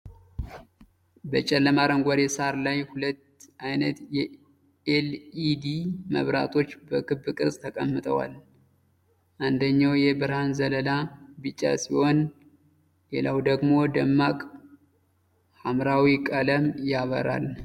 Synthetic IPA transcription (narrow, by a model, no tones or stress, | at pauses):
bət͡ʃʼɛlːəmaɾəŋɡʷaɾɛsaɾlajhulət̪ːʔajnət̪jɛ | elid̪imə̰βɾa̰t̪ʰo̞t͡ʃːbəkʰɨbːɨkʼɨɾsʼt̪ʰəkʼəmːɨt̪ʼʰə̰wa̰l | ʔand̪əɲːawjɛbɨɾhanzələlabɨt͡ʃʼːa̰siho̞n | lelawd̪əɡmo̞d̪əmːakʼ | hamɾawikʼələmjaβə̰ɾa̰l